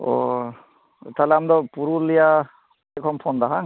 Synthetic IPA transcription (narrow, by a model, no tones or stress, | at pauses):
ɔ̰ | t̪alɛamd̪ɔpuɾulija | ekʰɔmpʰɔnd̪aɦaŋ